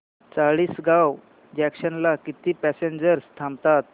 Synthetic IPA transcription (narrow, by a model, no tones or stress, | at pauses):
t͡saɭiːsɡaw | d͡ʑækɕənlakit̪iːpæseɲd͡ʑəɾst̪ʰamt̪at̪̚